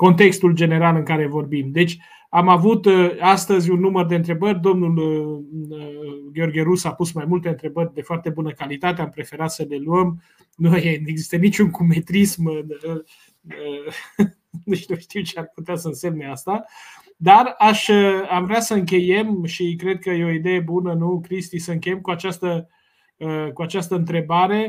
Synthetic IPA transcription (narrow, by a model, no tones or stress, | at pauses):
ko̞nt̪e̞kst̪uld͡ʒe̞ne̞ɾalɨŋkaɾe̞vo̞rbimd̪e̞t͡ʃʲ | amavut̪ast̪əzʲunːumərd̪eɨnt̪ɾe̞bərʲd̪o̞mnul | əɡeo̞rɡʲeɾusapusmajmult̪eɨnt̪ɾe̞bərʲd̪e̞foart̪e̞bunəkalit̪at̪eampɾefe̞ɾat̪səle̞luəm | nujeeɡzist̪ənit͡ʃuŋkume̞t̪ɾismɨn | ə | d̪et͡ʃnuʃt̪iwt͡ʃearput̪easəɨnse̞mneast̪a | d̪araʃəamvɾeasəɨŋk̬ʲe̞je̞mʃikɾe̞d̪̚kəjeo̞id̪e̞je̞bunənukɾist̪isəɨŋkʲe̞jemkuat͡ʃast̪ə | əkuat͡ʃast̪əɨnt̪ɾe̞baɾe̞